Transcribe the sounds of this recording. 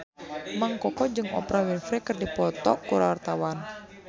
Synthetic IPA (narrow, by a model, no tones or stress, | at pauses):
maŋkɔkɔd͡ʒɨŋɔ̰pɾawinfɾɛkərdipɔt̪ɔkːuɾawart̪awan